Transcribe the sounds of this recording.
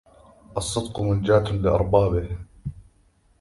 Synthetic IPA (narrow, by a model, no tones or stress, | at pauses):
ʔɑsˤːɨd̪qʊmʊnd͡ʒaːt̪lɪʔɑɾˤbɑːbɪh